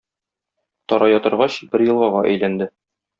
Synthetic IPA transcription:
t̪ɒɾɑjɒt̪ɤ̆ɾʁɑɕbɘɾjɤ̆lˠʁɑʁɑʔæ̰jlænd̪ɘ

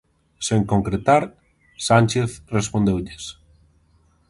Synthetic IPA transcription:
seŋkoŋkɾet̪aɾ | sanʲt͡ʃeθrespõnd̪ewʎɪs

